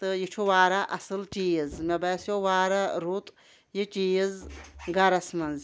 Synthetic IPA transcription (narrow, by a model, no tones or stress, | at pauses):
t̪ɨjit͡ʃʰuʋaːɾaʔɐsɨlt͡ʃiːjzmɐbɐsjoʋaːɾɐɾut̪ | jit͡ʃiːjizɡɐɾɐsmɐnz